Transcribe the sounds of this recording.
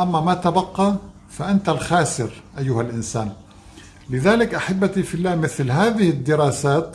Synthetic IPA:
ʔamːamat̪abɑqːɑ | faʔant̪alxaːsɪɾʔajːʊhalʔɪnsaːn | lɪðaːlɪkʔaħabːat̪ifɪlːaːmɪθlɦaːðɪhɪd̪ːɪɾˤɑːsaːt̪

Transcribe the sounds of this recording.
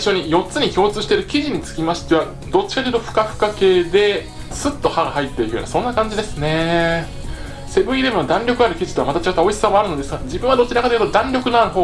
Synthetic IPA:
iɕo̞ɲ̟ijo̞tt͡sɨɲ̟ikʲo̞ːt͡sɨːɕi̥t̪eɾɯ̟kʲiʑiɲ̟it͡sɨ̥kʲimaɕi̥t̪e̞βa | d̪o̞t͡ɕːi̥kaejɯ̟t̪o̞ɸɯ̟̥kaɸɯ̟̥kake̞ːd̪e̞ | sɨt̪ːo̞haɡaɦait̪ːe̞ikɯjo̰nasõ̞nːakãɲ̟d͡ʑid̪e̞sɨne̞ | se̞bɯ̟iɾemɯ̟nod̪ãnɾʲo̞kɯaɾɯ̟kʲiʑi̥t̪oamat̪at͡ɕiɡat̪ao̞isɨ̥samaaɾɯno̞d̪esɨɡad͡ʑibɯ̟̃βad̪o̞t͡ɕːinakad̪jɯ̟t̪od̪ãɲɾʲo̞kɯ̟noaɾɯ̟ɦo

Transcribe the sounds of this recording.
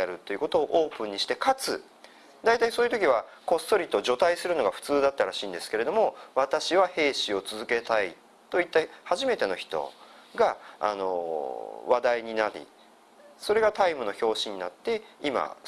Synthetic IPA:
aɾɯ̟t̪ːo̞jɯ̟ko̞t̪o̞ːʔoːpɯ̟̃ɲ̟ːiɕi̥t̪e̞kat͡sɨ | d̪ait̪aisoːjɯ̟t̪̬o̞kʲiβ̞a | ko̞st̪o̞ɾʲit̪ːoʑo̞t̪aisɨɾɯ̟no̞ɡaɸɯ̟̥t͡sɨːd̪at̪ːaɾaɕĩːnd̪e̞sɨ̥ke̞ɾe̞d̪o̞mo̞βat̪aɕiβahe̞ːɕio̞t͡sɨzɨke̞t̪ai | t̪o̞it̪ːahaʑime̞t̪e̞no̞çi̥t̪o̞̰ | ɡa̰ːno̞̰ | βad̪aiɲ̟inaɾʲḭ | so̞ɾe̞ɡat̪aimɯ̟no̞ço̞ːɕiɲ̟ːinat̪ːe̞ima̰

